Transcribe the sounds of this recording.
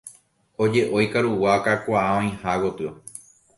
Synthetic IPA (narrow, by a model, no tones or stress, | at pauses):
od͡ʒe̞ʔo̞jkaɾuwakakʷaʔaõĩhaɡot̪ɨo